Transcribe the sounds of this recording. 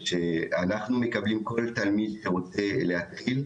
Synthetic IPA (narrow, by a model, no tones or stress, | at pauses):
ʃe̞anaχnume̞kablimko̞lt̪almid̪ʃeʁot͡se̞lehat̪χil